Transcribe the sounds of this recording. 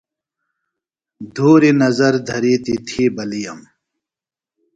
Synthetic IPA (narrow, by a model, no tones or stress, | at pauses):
d̪ʱuːɾinɐzɐɾd̪ʱɐɾiːt̪it̪ʰiːbɐlijɐm